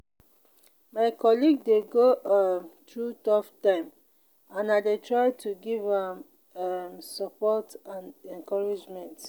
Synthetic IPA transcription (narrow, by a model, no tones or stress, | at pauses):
maɪkʰɔliɡ̚deɡoʔɔmt̪ɹutɔftãɪ̃m | ãnaɪdetʰɹaɪtʰuɡivãm | ʌmsɔpɔtãnɛ̃nkɔɹid͡ʒmɛ̃nt